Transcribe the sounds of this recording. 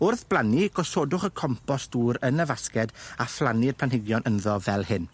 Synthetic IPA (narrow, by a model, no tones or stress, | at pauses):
ʊrθb̥lˠaniɡ̥ɔsoːdʊχəkʰɔmpʰɔsd̥uːɾənəvaskɛdaflˠanɪrpʰanhɪɡjɔnʔənðɔvɛlˠhɪn